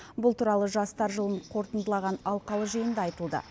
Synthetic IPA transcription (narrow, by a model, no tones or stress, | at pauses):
bʊlˠt̪uɾɑlˠəʒɑst̪ɑɾʒəlˠəɴqʰo̞ɾt̪ənd̪əlˠɑʁɑnɑlˠqɑlˠəʒijənd̪ɑɑjt̪əlˠd̪ə̰